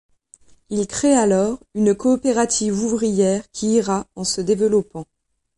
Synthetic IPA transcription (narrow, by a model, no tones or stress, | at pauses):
ilkχealɔʁynkɔːpeʁat̪ʰivuvʁijɛʁkʲʰiːʁaɑ̃səd̪evəlɔpɑ̃